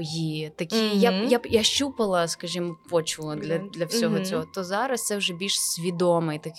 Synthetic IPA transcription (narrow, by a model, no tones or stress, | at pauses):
jit̪ɐkʲijajajaʃt͡ʃupɐlˠɐskɐʒʲimɔpɔt͡ʃʊlˠɐd̪lʲɐd̪lʲɐwsʲɔɦɔt͡sʲɔɦɔt̪ɔzɑɾɐst̪sɛwʒɛbʲilʲʃsʲʋʲid̪ɔmɪjt̪ɐk